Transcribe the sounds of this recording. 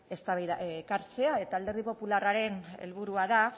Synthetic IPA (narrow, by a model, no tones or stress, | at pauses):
e̞st̪aβajðaʔekaɾt͡se̞ae̞t̪aːld̪eɾðipo̞pularaɾe̞nḛlβ̞uɾuaða